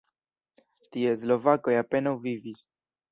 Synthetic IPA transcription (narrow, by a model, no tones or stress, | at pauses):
tie̞s̬lo̞vako̞jape̞nawvivis